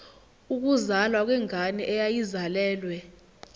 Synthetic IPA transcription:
uk̬uzalwak̬ʼwɛŋʱaniʔɛjajizalɛːlwɛ

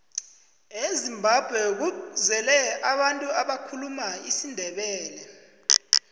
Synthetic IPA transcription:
ezimbʱab̥ʱwɛk̬uzɛlɛaɓantʼuaɓakʰulumaisindʱɛɓɛːlɛ

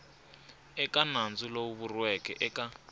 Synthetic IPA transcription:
ɛkanand͡zulouβurwɛkɛʔɛkʼa

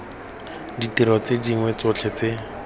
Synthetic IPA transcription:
ditiɾɔt͡sediŋwɛt͡sʊt͡ɬʰɛt͡se

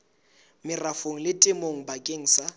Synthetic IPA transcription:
mɪrafoŋ̩lɪtʼɪmoŋ̩bakʼeŋ̩sa

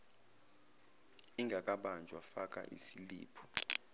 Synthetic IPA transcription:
iŋɡʱakʼaɓand͡ʒʱwafak̬ʼa̰ʔḭsilḭːpʰɔ̥

